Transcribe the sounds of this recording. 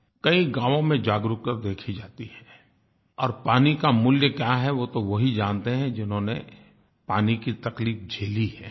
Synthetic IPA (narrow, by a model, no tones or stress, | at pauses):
kɐĩɡãːʋõmẽd͡ʒaːɡɾukt̪əɾd̪eːkʰid͡ʒaːt̪ihɛː | ɔːɾpaːnikamʊljəkjaːɦɛʋot̪oʋɐɦid͡ʒaːnt̪eɦɛ̃d͡ʒɪnɦõne | paːnikit̪ɐkliːfd͡ʒʱeːliɦɛː